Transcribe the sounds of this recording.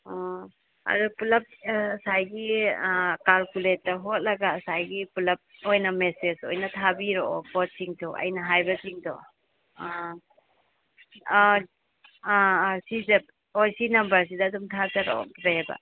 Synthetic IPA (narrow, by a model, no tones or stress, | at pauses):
ɔ | ɐ̰dupulɐp̚sajɡi | kalkulet̚ːɐɦot̚lɐɡasajɡipulɐp̚ojnɐmeseso̰jnɐtʰabiɾoɔpɔt̚siŋtʰɔɐ̰jnɐɦajbɐsiŋtɔ | sizep̚ | ojsinɐmbɐɾs̬idɐːdumtʰazaɾoɔ̰bajaba̰